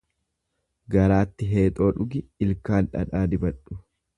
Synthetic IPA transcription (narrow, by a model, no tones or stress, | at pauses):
ɡɐɾaːt̪ːɪɦeːt̪ʼo̞ːᶑʊɡɪɪlkaːlᶑɐ̰ᶑaːd̪ɪbɐᶑʊ̥